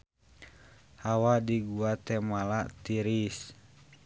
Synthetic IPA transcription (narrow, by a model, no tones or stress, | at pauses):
hawadiɡuat̪ɛmalat̪iɾis